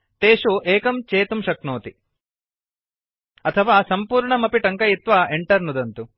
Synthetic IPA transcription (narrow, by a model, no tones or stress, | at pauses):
t̪eːʂuʔeːkɐmt͡ʃeːt̪umʃɐknoːt̪i | ɐt̪ʰɐʋaːsɐmpuːɾɳɐmɐpiʈɐŋkɐjit̪ʋaːʔeɳʈɐɾnud̪ɐnt̪u